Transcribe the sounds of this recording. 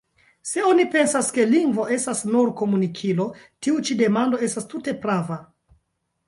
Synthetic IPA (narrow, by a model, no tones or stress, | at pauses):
se̞o̞nipe̞nsaske̞liŋɡvo̞e̞stasnuɾko̞munikʰilo̞ | tiut͡ʃide̞mando̞e̞stastute̞pɾava